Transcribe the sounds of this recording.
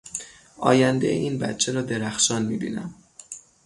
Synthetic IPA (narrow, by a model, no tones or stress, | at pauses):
ʔɒ̰ːjænd̪ej̰ʔiːnbæ̰t̪t͡ʃʰeɾɒːd̪e̞ɾæxʃɒːnmiːbḭːnæ̰m